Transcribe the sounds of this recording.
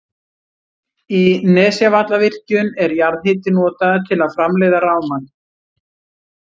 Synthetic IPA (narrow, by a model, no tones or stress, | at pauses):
inɛːsjavat̪lavɪr̥cʏnɛɾjaɾðhɪːt̪ɪnɔːt̪aðt̪ʰɪlaðfɾamlɛjðaraːwman